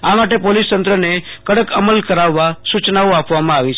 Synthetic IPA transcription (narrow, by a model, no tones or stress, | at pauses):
amaʈepolist̪ənt̪ɾənekəɽəkəməlkəɾaʋːasut͡ʃnaõapʋamãaʋit͡ʃʰ